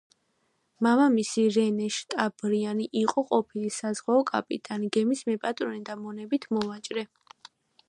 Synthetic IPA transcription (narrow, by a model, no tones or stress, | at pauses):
mamamisiɾɛnɛʃt̪ʼab̥ɾianiʔiqʼɔqʼɔpʰilisazʁwaɔkʼa̰pʼḭt̪ʼaniɡɛmismɛpʼat̪ʼɾɔnɛd̪amɔnɛbit̪ʰmɔvat͡ʃʼɾɛ